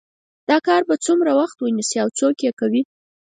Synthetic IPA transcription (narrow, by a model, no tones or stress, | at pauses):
d̪̥ɑkɑɾbat͡sumɾawaxt̪wənisiawt͡sokjekawi